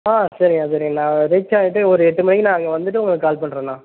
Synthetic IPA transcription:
aːsɐɾɪŋɡasɐɾɪŋɡɐnãːɾɛt͡ʃːaːɪʈːɯɔɾɯɛʈːɯmɐnɐkːnãːɐŋɡɐʋɐnd̪ɯʈːɯʊŋɡɐɭɐkːkːaːlpɐɳːɾẽːnãː

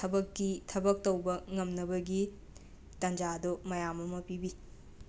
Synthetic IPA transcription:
tʰɐbɐkːitʰɐbɐk̚tɐwbɐŋɐmnɐbɐɡi | tɐnd͡ʒadomɐjamɐmɐpibi

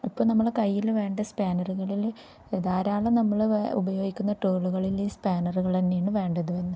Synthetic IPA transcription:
ipːoːɭnɐmːɐɭkɐjːilʋe̞ːɳɖɨspaːnɐruɣɐɭil | eðaːɾaːɭɐnɐmːɐɭṵbɐjo̞ːɡikʲːunːɐʈoːɭuɣɐɭiliːspaːnɐruɣɐɭt̪ɐnːejaːɳɨʋe̞ːɳɖɐðuʋenːɨ

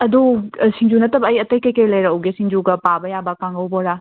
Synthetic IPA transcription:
ɐdusiŋd͡ʒunɐtɐbɐːjɐtɐjkɐjkejlɐjɾɐːwɡesiŋd͡ʒuɡɐpabɐjabakaŋɡɐwbɔɾa

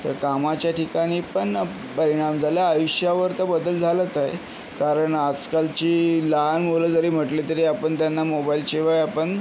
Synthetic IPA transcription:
t̪əɾkamat͡ɕjaʈʰikaɽ̃iːpəɳ | pəɾiɽ̃amd͡zʱaljaːjuɕjaʋəɾt̪əbəd̪əld͡zʱalət͡saɦḛ | kaɾəɳad͡zkalt͡ɕiːləɦanmoləd͡zəɾiːm̤əʈlit̪əɾiːapəɳt̪janːamobailɕeʋajapəɳ

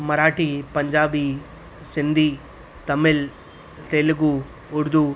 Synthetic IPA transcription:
mɐɾaːʈipɐɲd͡ʒaːbi | sind̪ʱi | t̪ɐmil | t̪eːlɡu | uɾd̪u

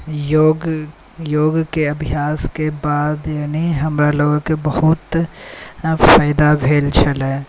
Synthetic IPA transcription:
joːɡ | joːɡkeɐbʱjaːskebaːd̪jaːniɦɐmɾaloːɡõkebɐhʊt̪ | faːɪd̪abʱeːlt͡ʃʰəlɛː

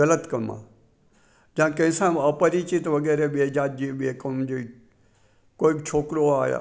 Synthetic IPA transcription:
ələt̪kɐmã̰ː | d͡ʒãːkɐ̃ɪ̃sãːɐpəɾit͡ʃit̪ʋɐɡɛːɾeɓeːd͡ʒaːt̪̚d͡ʒiɓeːkəd͡ʒe | koːibt͡ʃʰoːkɾoaːja̰ː

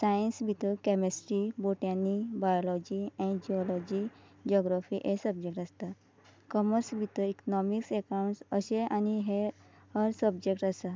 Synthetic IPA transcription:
sajənsbʱit̪əkɛmesʈɾiboʈãnːibajɔlɔd͡ʑiɛ̃ĩd͡ʑiɔlɔd͡ʑi | d͡ʑɔɡɾafiʔesəbd͡ʑek̚ʈəst̪a | kɔməɾsbʱit̪əiknɔmiksɛkawɳʈsəɕeʔaniɦe | həɾsəbd͡ʑek̚ʈasa

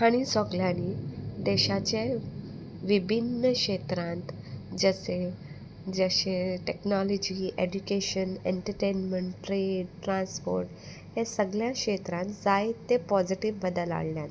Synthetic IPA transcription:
haɽ̃isɔɡljanid̪ɛɕat͡ɕe | ʋibʱinːəkɕet̪ɾãnt̪ | d͡zəse | d͡zəɕeʈeknɔlɔd͡ʑiedukeɕəneɳʈəɾʈenməɳʈʈːɾeɖʈɾãnspo̰ɾʈ | hẽsəɡljãkɕet̪ɾãnt̪d͡zaet̪ːepɔd͡ziʈiʋːəd̪əla̰ɽljan

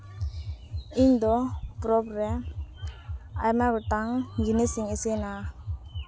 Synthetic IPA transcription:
iɲd̪ɔpɾɔbɾɛ | a̰jmaɡɔʈaŋɡinisiŋesena

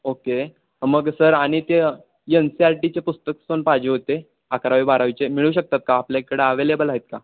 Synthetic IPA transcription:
oke | məɡsəɾaɽ̃it̪e | jənsiaɾʈit͡ɕepust̪əksonpad͡ʑeɦot̪e | akɾaʋibaɾaʋit͡ɕemiɭuːɕək̚t̪at̪̚kaːpljakəɽeəʋelebəlaɦet̪̚ka

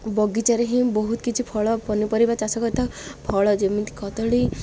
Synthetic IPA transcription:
bɔɡit͡ʃaɾeɦĩbɔɦut̪kit͡ʃʰipʰɔɭɔpɔnipɔɾibat͡ʃasɔkɔt̪ʰapʰɔɭɔd͡ʒemint̪i̥kɔt̪ɔɭi

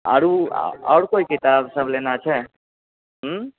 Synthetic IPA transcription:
ə̰ɾṵɔ̰ːɾkoikit̪absəblenat͡ʃʰɛ | ɦ

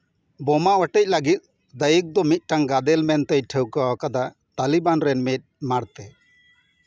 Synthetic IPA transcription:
bɔmaʔwəʈɛc̚ləɡit̪̚ | d̪ajik̚d̪ɔmit̪̚ˀʈaŋɡad̪ɛlmɛnt̪ɛjʈʰɛwkawakad̪a | t̪alibanɾɛnmit̪̚maɽt̪ɛ

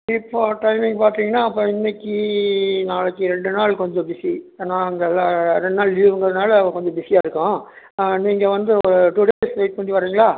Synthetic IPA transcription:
ɪpːoʈɐɪmɪŋɡpaːɾt̪ɾiːŋɡɐnːaːɐp̬ːõːɪnːɛkːinaːlɐkːɯɾɛɳɖɯnaːɭkɔɲd͡ʒɔ̃bɪsieːnãːɐnɡ̪ɐlːãːɾɛɳɖnaːɭiʋɐŋɡɐɾɐðɯnaːlɐɐʋɐ̃kɔɲd͡ʒɔ̃bɪsɪjaːɪɾɯkːʊ̃ | niːŋɡɐʋɐnd̪ɯɔɾɯʈuɽeːlsʋeɪʈ̚pɐɳːiʋɐɾiːŋɡɐɭaː

